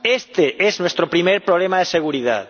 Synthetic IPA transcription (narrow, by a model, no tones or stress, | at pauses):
est̪eʔeznwest̪ɾopɾimejɾpɾoβlemaðeseɣ̞uɾiða̰ð